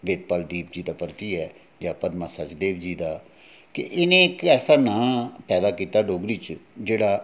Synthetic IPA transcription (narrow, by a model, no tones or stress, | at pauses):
ʋeːt̪̚paːld̪iːp̚d͡ʒiːd̪aːpəɾt̪iːɛː | d͡ʒaːpəd̪maːsat͡ʃd̪eːbd͡ʒiːd̪aː | kɪ̰ʔɪnẽːkɛːsaːnãːpɛːd̪aːkiːt̪aːɖoːɡɾiːt͡ʃd͡ʒeːɽaː